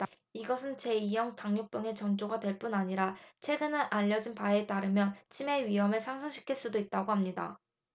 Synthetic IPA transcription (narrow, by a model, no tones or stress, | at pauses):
iɡʌsʰɯnt͡ɕe̞ijʌŋtaŋɲok̚p͈jʌŋe̞t͡ɕʌŋd͡ʑoɡadwe̞ɭp͈unaɲiɾat͡ɕʰwe̞ɡɯnɯnʔaʎːʌd͡ʑinpaet͈aɾɯmjʌnt͡ɕʰime̞ɥiɦʌmɯɭsʰaŋsʰaŋɕʰi̥kʰiɭs͈udoit̚t͈aɡoɦamɲida̰